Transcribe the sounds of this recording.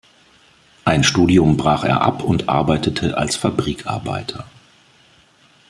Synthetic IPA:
ʔaɪnʃtuːdiʊmbʁaːχḛːɐʔa̰pʰʊntʔa̰ɐbaɪtətʰəʔalsfabʁiːkʰʔa̰ɐba̰ɪtʰɐ

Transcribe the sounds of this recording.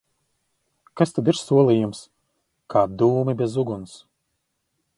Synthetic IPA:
kast̪ad̪iɾsuɔlˠijums | kʰaːd̪uːmibʲezuɡuns

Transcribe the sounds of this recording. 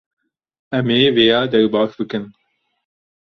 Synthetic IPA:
ɛmeːveːjɑːd̪ɛɾbɑːxbɨkɨn

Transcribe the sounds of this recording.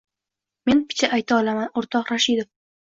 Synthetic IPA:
me̞npʰɪ̥t͡ʃʰaʔajt̪ʰaɒlˠamanoɾt̪ʰɒqɾaʃid̪of

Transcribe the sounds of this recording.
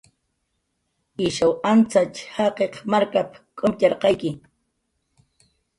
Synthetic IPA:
ɪʃawant͡sat͡ʃhɑqeqmaɾkapkʼomʎɑɾqɑjkɪ

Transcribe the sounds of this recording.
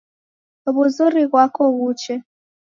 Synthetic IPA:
βuzuɾiɣwakɔɣut͡ʃɛ

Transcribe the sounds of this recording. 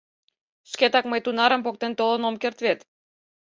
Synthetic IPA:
ʃket̪ɑkməjt̪unɑɾə̆mpok̚t̪ent̪olənomkert̪βet̪

